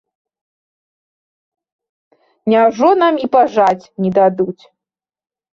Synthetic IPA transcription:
nʲawʐɔnamipaʐat͡sʲnʲid̪ad̪ut͡sʲ

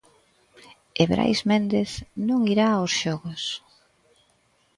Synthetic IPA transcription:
eβɾʔa̰jzmẽnd̪eθnũŋiɾaosʃɔɣʊs

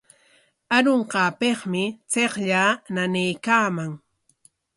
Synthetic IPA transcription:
aɾoɴqɑːpeχmɪt͡seχʎaːnanejkaːmaŋ

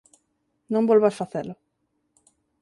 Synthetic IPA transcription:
nõmbolβasfaθelʊ

